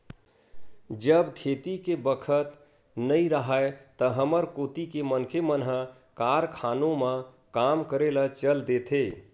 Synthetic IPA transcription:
d͡ʒəbkʰet̪ikebəkʰət̪ | nəĩɾəɦaet̪əɦəməɾkot̪ikemənkʰemənɦə | kaɾkʰanomə̃ | kamkəɾelat͡ʃəld̪et̪ʰe

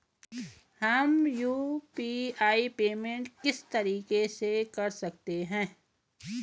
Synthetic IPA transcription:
hɐmjuːpiːaːipeːmẽɳʈkɪst̪ɐɾiːkesekɐɾsɐk̚t̪eɦɛ̃ː

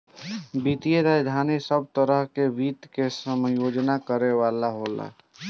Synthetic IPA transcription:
bit̪ijeɾajd̪ʱanisəb̚t̪əɾəɦkebit̪kesəmjod͡ʒnakəɾeʋalaɦola̰

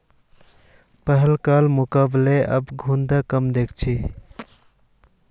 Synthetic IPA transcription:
pəɦəlkalmʊkaːbleʔə̰bɡʱũnd̪akəmd̪ekʰt͡ʃʰi

